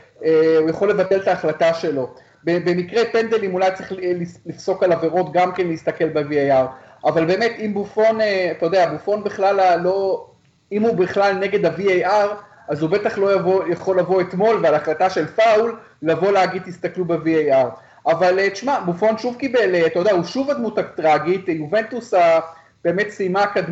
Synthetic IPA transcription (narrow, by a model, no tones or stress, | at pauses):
eujaχo̞le̞vate̞lt̪aːχlataʃe̞lo̞ | bebe̞mikʁepe̞nd̪elimulajt͡sʁeχlilifso̞kalave̞ʁo̞t̪ɡamke̞nleist̪ake̞lbeviejaʁ | avalbe̞ːmet̪imbufo̞neat̪ajod̪eabufo̞nbiχlalalːo̞ | imubiχlalne̞ɡe̞d̪aviejʔaʁ | azube̞taχlo̞javojaχo̞lːavo̞et̪mo̞lvealaχlat̪aʃe̞lfaulː | avo̞leaɡid̪̚t̪ist̪aklubeviejaʁ | ʔavalet͡ʃmabufo̞nʃuvkibe̞leat̪ajodeauʃuvad̪muutat̪ʁaɡit̪juve̞nt̪usa | b̥e̞ːme̞t̪simakad